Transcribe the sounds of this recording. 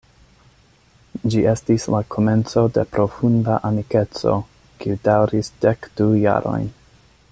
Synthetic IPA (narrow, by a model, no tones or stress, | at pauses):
d͡ʒie̞stislakʰo̞me̞nt͡so̞de̞̰pɾo̞fundaʔamike̞t͡so̞̰ | kiudawɾisd̥ekd̥uja̰ɾo̞̰jn